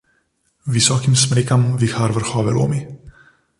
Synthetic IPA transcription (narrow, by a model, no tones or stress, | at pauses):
visɔkimsmɾikamvixaɾvəɾxɔvɛlṵmi